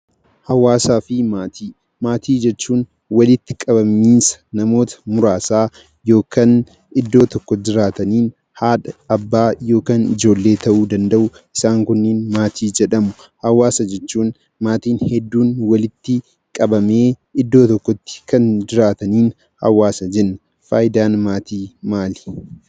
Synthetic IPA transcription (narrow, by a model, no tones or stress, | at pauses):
hɐwaːsaːfɪmaːt̪ʰiː | maːt̪ʰiːd͡ʒɛt͡ʃːuːn | wɐlɪt̪ːɪ̥kʼɐbɐmiːnsɐ̥nɐmo̞ːt̪ɐ̥mʊɾaːsaː | jo̞ːkʰan | ɪd̪ːo̞ːt̪ɔkːɔd͡ʒɪɾaːt̪ɐniːn | haːᶑɐɐbːaːjo̞ːkaːnɪd͡ʒo̞ːlːe̞ːt̪ɐʔuːd̪ɐnd̪ɐʔʊ | ʔɪsaːŋkʊnːɪnmaːt̪ʰiːd͡ʒɛᶑɐmʊ | hɐwaːsɐd͡ʒɛt͡ʃːuːn | maːt̪iːnhɛd̪ːuːnwɐlɪt̪ːɪ | kʼɐbɐmeː | ɪd̪ːo̞ːt̪ɔkːɔt̪ːɪ̥kɐnd͡ʒɪɾaːt̪ɐniːn | hɐ̰waːsɐd͡ʒɛnːɐ | faːjɪd̪aːnmaːt̪ʰiːmaːlɪ̥